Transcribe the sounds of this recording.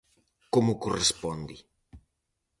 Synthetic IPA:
komʊkorespɔnd̪i

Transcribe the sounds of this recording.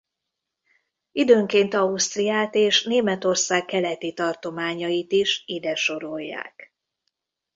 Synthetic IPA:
id̪øːŋkeːnt̪ɒust̪rijaːt̪eːʃneːmɛt̪o̞rsaːkkːɛlɛt̪it̪ɒrt̪o̞maːɲɒjit̪iʃid̪ɛʃo̞ɾojːa̰ːk

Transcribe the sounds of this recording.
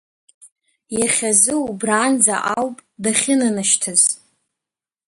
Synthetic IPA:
jaχʲazɨubraːnd͡za̰ʔawpʼdaχʲɪnɨnɨʃtʰɨz̥

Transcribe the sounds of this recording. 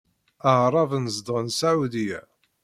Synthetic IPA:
əʕɾˤɑvənəzd̪ˤʁnsaʕud̪ijæ̰

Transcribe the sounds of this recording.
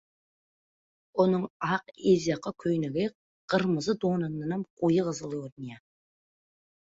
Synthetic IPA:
onəɴɑqezjɑqɑkʲʰɵjnɪɡʲe | qəɾməzəd̪onənənəmqʰojəʁəzəlˠoɾnija

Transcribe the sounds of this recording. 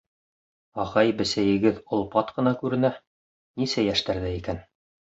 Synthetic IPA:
ɑʁɑjbɘ̆sæjɘ̆ɡɘðŏlˠpɑt̪qɤ̆nɑkʉɾɘ̆næ | nisæjæʃt̪æɾðɘikæn

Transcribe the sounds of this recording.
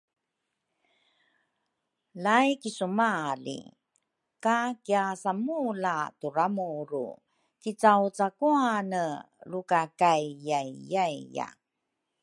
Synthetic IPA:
lajkisumalḭ | kakiasamulatuɾamuɾṵ | kit͡sawt͡sakuanə | lukakajjajjajja̰

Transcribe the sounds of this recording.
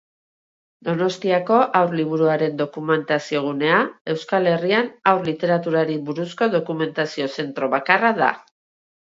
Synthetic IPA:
d̪o̞no̞st̪iako̞ʔawɾliβuɾuaɾe̞nd̪o̞kume̞nt̪asio̞ɣ̞une̞ae̞wskale̞rianawɾlit̪e̞ɾat̪uɾaɾibuɾusko̞ðo̞kume̞nt̪asio̞se̞nt̪ɾo̞βakaraða̰

